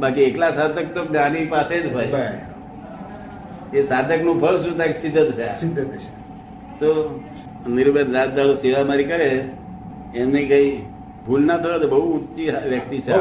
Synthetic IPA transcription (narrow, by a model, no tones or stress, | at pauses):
bakieklasaɾd̪ʱək̚t̪oɡãɽipased͡ʒɦoj | esaɾd̪ʱəknũpʰəɭʃũt̪aiksɪd̪ʱːət̪ɦja | t̪o | niɾubenɾat̪̚d̪aɭoseʋamaɾikəɾe | emnikə̃i | bʱulnat̪ʰəjot̪ebəɦuut͡ʃiɦaʋjək̚t̪it͡ʃʰe